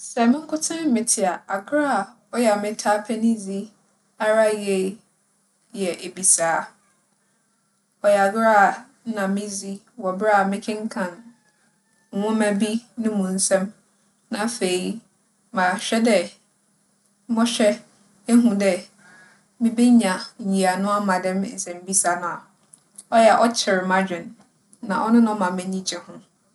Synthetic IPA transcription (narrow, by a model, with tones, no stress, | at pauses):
sɛ˨mɪ̃˦ŋ̩˦kʰʊ˦tʰã˦mɪ̃˨tʰɪ˨a˨a˨ɡɾa˦˨ | ɔ˦jɛ˨a˨mɪ̃˦tʰa˦pʰɛ˦nɪ̃˦zi˦ | a˦ɾa˦je˦˨˦ | jɛ˨ʔe˨bi˨saː˨˦ | ɔ˨jɛ˨a˨ɡɾa˦˨˦ | nã˨mɪ̃˦zi˦ | wɔ˨bɾa˦a˨mɪ̃˦kʰɪ̃˦ŋ̩˦kʰã˨n | ŋ̩˨hʊ̃˦mæ̃˨bi˦nʊ̃˦mũ˨n̩˦sɛ̃˦m | nã˨fe˨i˦ | mã˨ɕᶣɛ˦dɛ˨ | mɔ̃˦ɕᶣɛ˦ | e˦ɦũ˨dɛ˨ | mɪ̃˦be˦ɲã˨ɲi˨a˨nʊ̃˦a˦mã˨dɛ̃˦m̩˨sɛ̃˨m˦bi˦sa˨nʊ̃˨a˨ | ɔ˦jɛ˨ʔɔ˦t͡ɕʰɪ˨ɾmã˦d͡ʑᶣɪ̃˨n | nã˨ʔɔ˦nʊ̃˦nʊ̃˦mã˨mɪ̃˨ɲĩ˦t͡ɕʰɛ̃˨hʊ̃˦